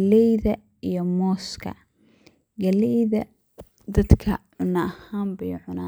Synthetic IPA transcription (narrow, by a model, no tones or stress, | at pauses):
lɛjðɐ | ijɔmɔːskʰɐ̰ | ɡɐlɛjðɐ | d̪ɐd̪kʰɐʕʊnɐʔɐhaːmbɛjʕʊnaː